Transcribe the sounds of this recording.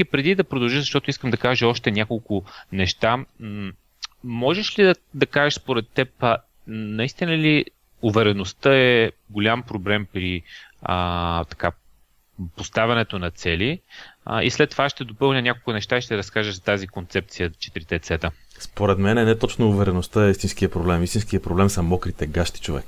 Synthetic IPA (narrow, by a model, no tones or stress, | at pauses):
ipɾɛd̪id̪ɐpɾod̪ɐlˠʒəzɐʃt̪ɔt̪ʊiskəmd̪ɐkaʒəɔʃt̪ɛnʲakolˠkʊnɛʃt̪a | mɔʒɛʃlid̪ɐd̪ɐkaʒəʃspoɾɛt̪ːɛp | nɐist̪inəli | ʊvɛɾɛnost̪ɤɛɡolʲampɾoblɛmpɾiət̪ɐ̥ka | post̪avʲɐnɛt̪onɐt̪sɛlḭ | ḭslɛt̪ːovaʃt̪ɛd̪opɤlˠnʲənʲakolˠkʊnɛʃt̪aiʃt̪ɛɾɐskaʒəʒzɐt̪azikont̪sɛp̚t̪sijət͡ʃɛ̥t̪ɾit̪ɛt̪sɛt̪ə | spoɾɛt̪mɛnɛnɛt̪ɔt͡ʃnouvɛɾɛnost̪əɛist̪inskiəpɾoblɛmist̪inskijɐpɾoblɛmsɐmɔkɾit̪ɛɡaʃt̪i̥t͡ʃovɛ̰k